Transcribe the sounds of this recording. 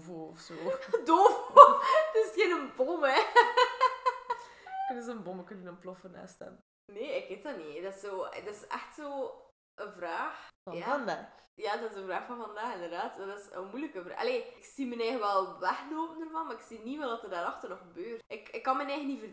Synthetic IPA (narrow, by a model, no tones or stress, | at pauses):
voɔfsoːdoːvotɪsxeːnənbomə | kønənzəənboməkʏnənəmplɔfəna̰ːstɛ̰n | neːɪkɪtɑnidɑsoːdɪsɛ̰xtsoː | ʔəvraːxfjaːvndaːxjaːdtɪsənvraːxfɑnvɑndaːxɪndərdaːtmadɪsə̰mujləkəvra̰ːʔɑ̰leːɪksimənɛɣəʋɛlˠʋɛxnoːpəndərvɑnmaːɾɪksiniʋəlˠdɑtərdaːɾɑxtərnɔxəbøːrtɪkɪkːɑnmɛnɛɣənivər